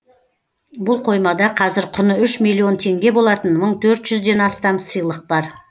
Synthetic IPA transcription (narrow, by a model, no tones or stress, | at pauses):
bʊlˠqʰo̞jmɑd̪ɑqʰɑzɪɾqʰʊnəʏʃmilʲˠːio̞nt̪ʰe̞ŋɡʲe̞bo̞lˠɑt̪ənməɴt̪ʰɵɾt̪ʒ̥ʏzd̪e̞nɑst̪ɑmsɨjlˠəq̚bɑɾ